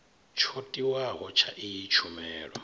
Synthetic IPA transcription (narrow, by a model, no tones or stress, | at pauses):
t͡ʃʰotʼiwaɦɔt͡ʃʰaʔijit͡ʃʰumɛːɺɔ̰